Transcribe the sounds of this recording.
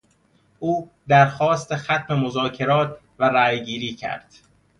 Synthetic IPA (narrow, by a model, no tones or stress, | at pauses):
ʔuːd̪æɾxɒːst̪e̞xæt̪ʰme̞mozɒːcʰe̞ɾɒːt̪ʰ | væɾæːjɡiːɾiːcʰæ̰ɾd̪̥